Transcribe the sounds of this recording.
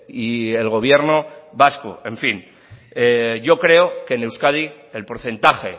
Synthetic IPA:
ie̞lɣo̞β̞je̞ɾno̞βasko̰e̞ɱfin | eʝo̞kɾe̞oke̞ne̞wskaði | elpo̞ɾθe̞nt̪axe̞̰

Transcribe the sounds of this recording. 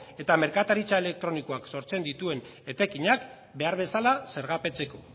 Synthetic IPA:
e̞t̪ame̞ɾkat̪aɾit͡sae̞le̞k̚t̪ɾo̞niko̞akso̞ɾt͡se̞nd̪it̪ue̞n | e̞t̪ekiɲak | be̞aɾβ̞e̞salase̞ɾɣape̞t͡se̞ko̞

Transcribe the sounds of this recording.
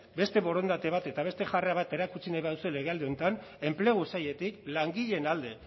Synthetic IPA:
be̞st̪e̞βo̞ɾo̞nd̪at̪e̞β̞at̪e̞t̪aβe̞st̪e̞ʝare̞aβat̪e̞ɾakut͡sinajβaðusuele̞ɣ̞e̞ald̪e̞o̞nt̪ane̞mple̞ɣ̞usaje̞t̪iklaŋɡiʎe̞nald̪e̞

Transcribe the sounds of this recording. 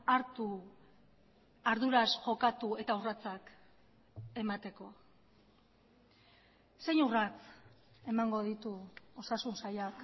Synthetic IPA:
aɾt̪u | aɾðuɾasʝo̞kat̪ue̞t̪aurat͡sak | e̞mat̪e̞ko̞ | se̞ɲurat͡se̞maŋɡo̞ð̞it̪uo̞sasunsajak

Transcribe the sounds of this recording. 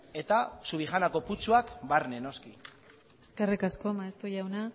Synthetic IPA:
e̞t̪asuβixanako̞put͡suakbaɾne̞no̞ski | eske̞rikasko̞maest̪uʝawna

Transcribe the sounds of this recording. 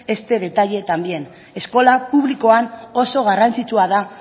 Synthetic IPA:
e̞st̪e̞ðe̞t̪aʎe̞t̪ambie̞n | e̞sko̞lapuβliko̞ano̞so̞ɣ̞arant͡sit͡ʃuað̞a

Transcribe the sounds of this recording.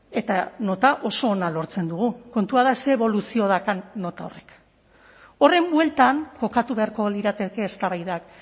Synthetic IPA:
e̞t̪ano̞t̪aʔo̞so̞ːnalo̞ɾt͡se̞nd̪uɣ̞uko̞nt̪uaðaseːβo̞lusio̞ðakanːo̞t̪ao̞re̞k | o̞re̞mbwe̞lt̪aŋko̞kat̪uβe̞aɾko̞liɾat̪e̞ke̞ːst̪aβajðak

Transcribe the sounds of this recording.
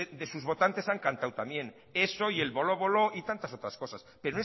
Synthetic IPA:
d̪e̞suzβo̞t̪ant̪e̞saŋkant̪awt̪amjẽ̞n | e̞so̞ielβo̞lo̞βo̞lo̞ʔit̪ant̪aso̞t̪ɾasko̞saspeɾone

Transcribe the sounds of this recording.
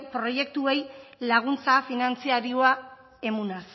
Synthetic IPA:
pɾo̞je̞k̚t̪ue̞jlaɣ̞unt͡safinant͡siaɾioa | e̞munas

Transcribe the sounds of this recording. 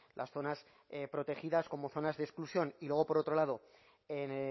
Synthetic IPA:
lʔa̰sθo̞nas | epɾo̞t̪e̞xiðasko̞mo̞θo̞nazðesklusjo̞nilwe̞ɣo̞po̞ɾo̞t̪ɾo̞lað̞o̞ | en

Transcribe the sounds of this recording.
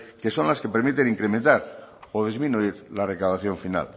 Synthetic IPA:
ke̞sõ̞nlaskepe̞ɾmit̪e̞niŋkɾement̪aɾoð̞izminuiɾlare̞kawðaθjoɱfina̰l

